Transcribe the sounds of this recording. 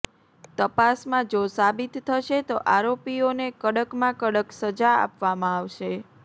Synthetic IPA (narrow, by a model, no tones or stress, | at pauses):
t̪əpasmãd͡ʒosabit̪tʰːəʃet̪oʔaɾopionekəɽəkmãkəɽəksəd͡ʒaa̰pʋamãaʋʃe